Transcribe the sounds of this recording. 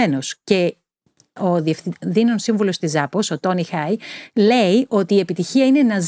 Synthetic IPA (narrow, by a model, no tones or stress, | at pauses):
eno̞sce̞ | oðiefðinonsiɱvulo̞st̪izɐposo̞t̪o̞nixɐjle̞iʔo̞t̪iːe̞pit̪içiɐine̞nɐz